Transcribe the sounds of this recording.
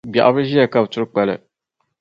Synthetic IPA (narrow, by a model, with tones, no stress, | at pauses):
bja̰˨ʔbɨ˦ʒi˦jɛ˨ka˦˨btʊ˦ɾk͡pɛ˨lɨ̰˨